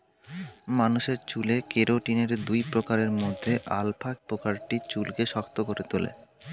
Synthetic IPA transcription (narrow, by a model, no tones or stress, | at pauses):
manuʃeɾt͡ɕulekeɾoʈineɾd̪ujpɾokaɾeɾmod̪ʱːeʔa̰lpʰak̚pɾokaɾʈit͡ɕulkeʃɔkt̪okoɾet̪ulḛ